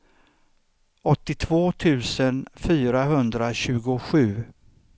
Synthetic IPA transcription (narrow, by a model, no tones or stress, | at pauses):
ɔt̪ːɪt̪ʰvoːt̪ʰʉ̟ːsənfyːɾaɦɵnd̪ɾaɕʉ̟ːɡʊɧʉ̟ː